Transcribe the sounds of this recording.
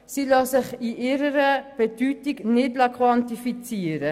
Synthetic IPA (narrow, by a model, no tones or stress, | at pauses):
silɑːsəχiʔeɾəɾəpətytiknɛt̚blɐkʰwɐntifit͡siəɾə